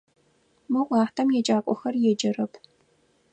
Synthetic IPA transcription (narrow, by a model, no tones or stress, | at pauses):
mɨʔʷɑːħtʰɐmjɛd͡ʒaːkʷʼɔxɐrjɛd͡ʒɐrɐpʰ